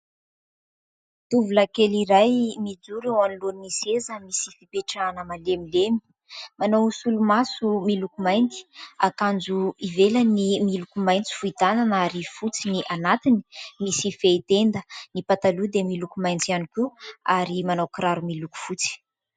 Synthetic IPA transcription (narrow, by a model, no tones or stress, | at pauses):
t̪uvuləkeliɾajmid͡zuɾewaniloninisezəmisifipeʈ͡ʂanəmalemilemi̥ | manawsulumasumilukumajnd̪i̥akand͡zuivelənimilukumajnt͡si̥fuit̪ananaɾifut͡siniʔanat̪ini̥misifeit̪end̪ənipat̪alud̪emilukumajnt͡sianikuaɾimanawkɾaɾumiluku̥fut͡si̥